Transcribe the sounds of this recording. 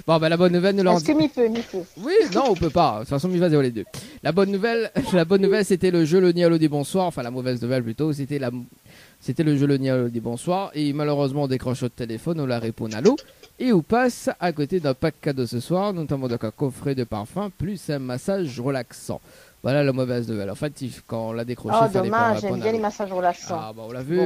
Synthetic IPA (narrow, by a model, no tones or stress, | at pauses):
bɔ̃bɛlabɔnːuvɛlnulʁkəmifømiføwinɔ̃ɔ̃pøpat̪ut̪fas̬ɔ̃mivazeɔled̪ølabɔnːuvɛllabɔnːuvɛlset̪ɛləʒølənialod̪ibɔ̃swaʁɑ̃fɛ̃lamɔvɛznuvɛlplyt̪os̬et̪ɛlam | set̪ɛləʒølənialod̪ibɔ̃swaʁemaløʁøzmɑ̃ɔ̃d̪ekχɑ̃ʃot̪elefɔnɔ̃laʁepɔ̰̃na̰lo | eupasakot̪ed̪ɛ̃pakːad̪osəswaʁnɔt̪amɑ̃d̪ɔ̃kɛ̃kɔfχed̪əpa̰ʁfɛ̃plysɛ̃masaʒʁəlaksɑ̰̃vwa̰lalamɔvɛznuvɛ̰lɑ̰̃fɛt̪ikɑ̃ɔ̃lad̪ekχɔʃɔd̪ɔmaʒɛɔ̃njɛ̃lemasaʒʁəlaksɑ̃abaɔ̃lavy